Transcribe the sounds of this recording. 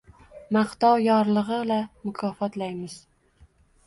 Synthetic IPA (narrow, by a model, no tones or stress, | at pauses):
maχt̪ɒwjɒɾlˠɨʁɨblamʊkʰɒfɒt̪lajmɪz̥